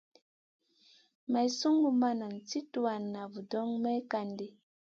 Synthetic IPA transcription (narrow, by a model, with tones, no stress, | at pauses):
ma˨i˨su˦ŋɡu˦ma˦na˨n̩˨t͡si˦tu˨wa˨nːa˨vu˨dɔ˦ŋmɛ˦ka˨ndi˦